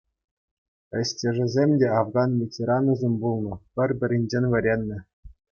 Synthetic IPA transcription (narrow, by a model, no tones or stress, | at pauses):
ɘ̆ɕʲtʲĕʐɘ̆zʲemʲdʲeɑvɡɑnvʲetʲeɾɑnɤ̆zʲemʲbulˠnɤ̆pʲɘ̆rʲbʲɘ̆ɾʲenʲd͡ʑenʲʋʲɘ̆ɾʲenʲːɘ̆